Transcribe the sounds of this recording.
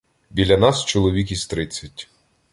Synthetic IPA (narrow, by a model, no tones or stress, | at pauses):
bʲilʲɐnɑst͡ʃɔlˠɔʋʲik̬ist̪ɾɪt͡sʲːɐtʲ